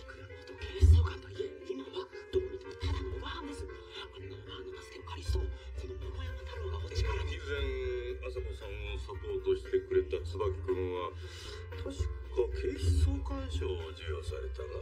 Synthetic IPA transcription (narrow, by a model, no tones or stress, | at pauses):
kɯ̟ɾaot̪okʰeːsoːkaaieimaβad̪̥omʲit̪et̪anobãːnd̪esɨkaanːabanit̪asɨ̥ked̪okʰaɾʲist̪ookonomoɡojamat̪ʰamɯɡaot͡ɕi̥kaakʲizẽŋasakosãɰ̃osapo̞ːt̪o̞ɕi̥t̪e̞kɯ̟ɾe̞t̪at͡sɨbakkɯ̟̃ɰ̃βa | t̪ʰoɕi̥kakʰeːsoːkãɰ̃ɕoːd͡ʑɨjosa̰ɾe̞t̪ana